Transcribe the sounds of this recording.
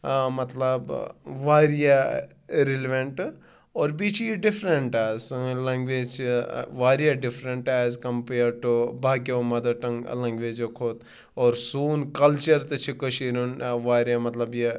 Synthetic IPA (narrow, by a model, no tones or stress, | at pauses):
mɐt̪lɐbʋaːɾija | ɾelʋeɳʈ | oːɾbit͡ʃʰjiɖifʰɾeɳʈaːsɐlɐŋɡʋeːd͡ʒt͡ʃʰiʋaːɾjaɖifʰɾeɳʈaːzkɐmpeɐɾʈubʱaːkjomɐd̪ɐʈɐŋlɐŋɡʋeːd͡ʒokʰoːt̪ | oːɾsuːnkɐlt͡ʃɐɾt̪ɐt͡ʃʰikəʃiːɾunʋaːɾjamɐt̪lɐbje